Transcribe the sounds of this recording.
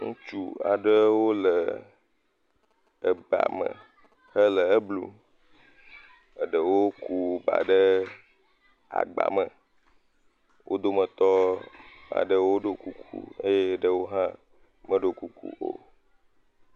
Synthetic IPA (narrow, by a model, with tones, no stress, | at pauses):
ŋũ˦t͡ʃu˦a̰˨ɖə˦wo˦lə˨ | ə˨ba̰˨mə̰̃˨ | hə˦lə˨ə˦blṵ˦ | ə˨ɖə˨wo˦ku˦ba̰˨ɖə˦ | a̰˨ɡ͡ba̰˨mə˨ | wʔo˦d̪o˦mə̃˨t̪ɔ˦ | a̰˨ɖə˦wo˦ɖo˨ku˦kʰṵ˦ə̰˦je˦˨ɖə˦wo˦ɦã˦ | mə˦ɖo˨ku˦kṵ˦ʔo̰˨